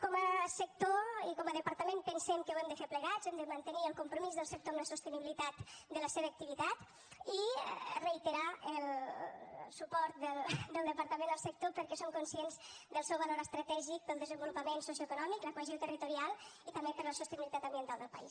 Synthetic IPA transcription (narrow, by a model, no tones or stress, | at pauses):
kɔməsək̚t̪oikɔməðəpaɾt̪əmempənsɛmkəwɛmd̪əfeɾpləɣazɛmd̪əmənt̪əniəlˠkumpɾumizðəlˠsək̚t̪oəmləsust̪əniβilit̪at̪d̪ələseβəːk̚t̪iβit̪at̪ | ḭrəit̪əɾaəl | supɔɾt̪̚d̪əld̪əlˠd̪əpəɾt̪əmẽnd̪əlˠsək̚t̪opəɾkɛsomkunsjenzd̪əlˠsɛwβaloɾəst̪ɾət̪ɛʒik̚d̪əlˠd̪əzəmbulupəmensos̬joekunɔmikləkwəzot̪ərit̪uɾialˠit̪ɐmbepəɾləsust̪əniβilit̪at̪əmbiənt̪alˠd̪əlˠpə̰is